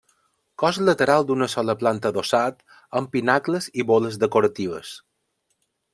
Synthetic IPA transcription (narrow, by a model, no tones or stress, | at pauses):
kɔzlət̪əɾalˠd̪unəsɔləplant̪əðosat̪ | əmpinakləziβoləzðəkoɾət̪iβ̞əs